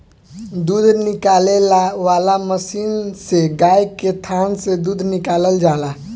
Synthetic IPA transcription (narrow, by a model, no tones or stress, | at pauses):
d̪ud̪ʱnikalelaʋalaməsiːnseɡajket̪ʰansed̪ud̪ʱnikaləld͡ʒala